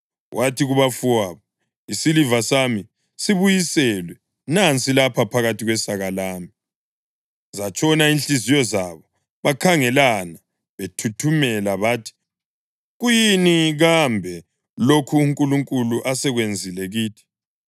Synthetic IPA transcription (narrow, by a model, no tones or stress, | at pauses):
wʔatʰiɣuβafuwaːβɔ | isilivasami | siβujisɛlwɛ | nant͡sʼilapʰapʰaɣatʰiɣwɛsaɣalaːmi | zat͡ʃʼɔnainɬʼizijɔzaβɔ | βakʰaŋɛlana | βetʰutʰumɛlaβaːtʰi̥ | ɣujiniɣambʱɛ | lokʰuːŋkʼuluŋkʼuluʔasɛɣwend͡zʱilɛɣiːtʰi̥